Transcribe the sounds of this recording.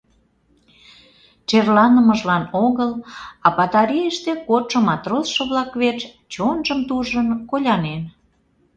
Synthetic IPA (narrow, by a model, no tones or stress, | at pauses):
t͡ʃerlɑnəməʒlɑnoɣəlɑpɑt̪ɑɾiəʃt̪ekot̪ʃə̆mɑt̪rosʃə̆βlɑkβet͡ʃ | t͡ɕonʒəmt̪uʒənkolʲɑnen